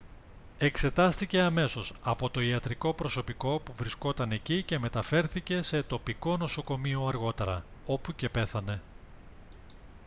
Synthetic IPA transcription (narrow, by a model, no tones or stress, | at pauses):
e̞kse̞t̪ɐst̪ice̞ɐme̞so̞sɐpo̞t̪o̞iɐt̪ɾiko̞pɾo̞so̞piko̞puvɾisko̞t̪ɐne̞cice̞me̞t̪ɐfe̞ɾθice̞se̞t̪o̞piko̞no̞so̞ko̞mio̞ɐɾɣo̞t̪e̞ɾɐo̞puce̞pe̞θɐne̞